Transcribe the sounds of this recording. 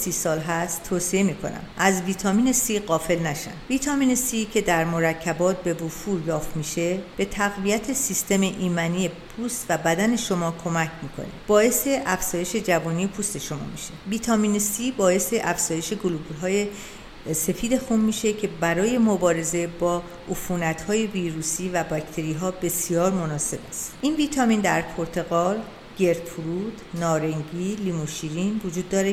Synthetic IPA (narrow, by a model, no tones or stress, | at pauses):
sisɒːlɦæst̪ʰːoːsie̞miːkʰo̞̰næ̰mʔæzviːt̪ʰɒːmiːne̞siːɢɒːfe̞lnæʃæ̰nd̪̥viːt̪ʰɒmiːnesicʰe̞d̪æɾmo̞ɾæcʰːæbɒːt̪̚be̞vofuːɾjɒːft̪miːʃe̞b̥e̞t̪ʰæɣvijæt̪ʰesist̪e̞meʔiːmænijepʰuːst̪væbæd̪æne̞ʃo̞mɒːkʰo̞mæcʰmiːkʰo̰neb̥ɒːe̞se̞ʔæfz̥ɒːje̞ʃe̞d͡ʒævɔːnijepʰust̪eʃo̞mɒ̰ːmiʃeviːt̪ʰɒminisibɒːje̞seʔæfz̥ɒːje̞ʃe̞ɡolublɦɒːje̞ | se̞fiːd̪e̞xunmiːʃe̞cʰe̞bæɾɒːje̞mobɒːɾe̞ze̞bɒː | ufuːnæt̪hɒːje̞viːɾuːsiːvæbɒct̪ʰe̞ɾiːɦɒːbe̞sijɒːɾmo̞nɒːse̞bæst̪ʔinviːt̪ʰɒmind̪æɾpʰo̞ɾt̪ʰe̞ɣɒːl | ɟ̥e̞ɾt̪pʰuɾuːd̪nɒːɾeŋɟilimuʃiɾinvod͡ʒuːd̪ːɒːɾe